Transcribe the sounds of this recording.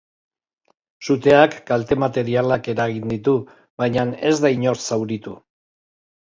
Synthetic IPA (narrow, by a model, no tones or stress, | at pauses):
sut̪e̞akːalt̪e̞mat̪e̞ɾialake̞ɾaɣind̪it̪u | βajɲane̞zd̪aiɲo̞ɾsawɾit̪u